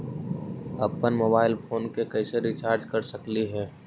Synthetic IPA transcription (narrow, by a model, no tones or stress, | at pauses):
ɐpːənmoːbaːɪlfoːnkekɛːseɾit͡ʃaːɾd͡ʒkɐɾsɐkliɦɛː